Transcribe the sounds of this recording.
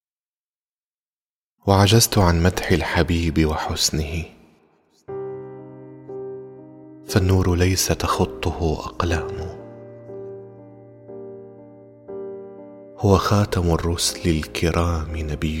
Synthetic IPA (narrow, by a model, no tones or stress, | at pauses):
waʕad͡ʒazt̪ʊʕanmad̪ħɪlħabiːbɪwaħʊsnɪhɪ | fanːuːɾlajsat̪ɑxʊt̪ˤːʊhʊʔɑ̰qlaːmʊ | hʊwaxaːt̪amʊrːʊslɪlkʰɪɾʔaːmɪnabɪː